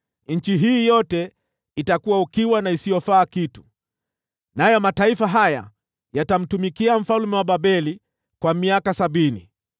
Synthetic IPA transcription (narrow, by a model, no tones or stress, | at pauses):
ɲ̩t͡ʃiɦiːjɔtɛ | itakuwaukiwanaisijɔfaːkitu̥ | najɔmataifaɦaja̰ | jatam̩tumikiam̩falumɛwaɓaɓɛli | kwamiakasaɓinḭ